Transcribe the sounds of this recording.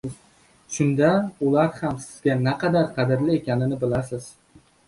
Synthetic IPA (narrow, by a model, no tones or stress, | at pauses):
ʃʊnd̪aʊlaɾhamsɪz̥ɡʲanaqʰɑd̪aɾqʰɑd̪ɪɾlɪe̞kʲʰanɪnɪbɪlasɪz̥